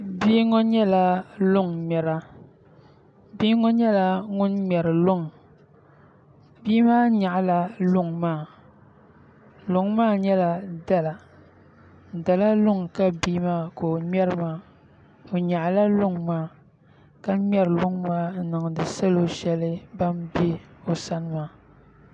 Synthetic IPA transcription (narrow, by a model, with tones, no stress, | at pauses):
biː˦ŋɔ˦ɲɛ˦la˨lʊ˦ŋmɛ˨ɾa˦ | bi˦ŋɔ˦ɲɛ˦la˨ŋʊ˦nmʲɛ˨ɾɨ˨lʊ˦ŋ˨ | biː˦maː˦ɲa˨ʔla˨lʊ˦ŋmaː˦˨ | lʊ˨ŋmaː˦˨ɲɛ˦la˨da˨la˨ | da˨la˦lʊ˦ŋka˦biː˦maː˦ko˨mɛ˦ɾɨ˦maː˦˨ | o˨ɲa˨ʔla˦lʊ˦ŋmaː˦˨ | ka˦mɛ˦ɾɨ˨lʊ˦ŋmaː˦nɨ˨ŋ˨dɨ˨sa˦lo˦ʃɛ˦lɨ˦ba˦mbi˦o˨sa˦nɨ˦maː˦